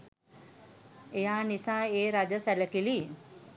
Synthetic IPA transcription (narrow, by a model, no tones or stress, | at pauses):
janisãeɾad͡ʑəsaləkili